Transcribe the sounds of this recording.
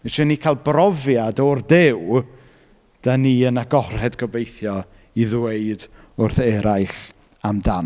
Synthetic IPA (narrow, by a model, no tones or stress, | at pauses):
veʃɔnikʰalˠbrɔvjadɔrdɪw | d̥aniːənaɡɔr̥hɛdɡɔbejθjɔ | iðweɨd | ʊrθɛɾʔaɨɬ | amdan